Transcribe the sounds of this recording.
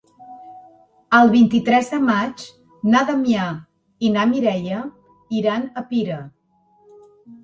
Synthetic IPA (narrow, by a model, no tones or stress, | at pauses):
əlˠβint̪it̪ɾɛzðəmat͡ʃ | naðamia | inamiɾɛʎə | iɾanəpiɾə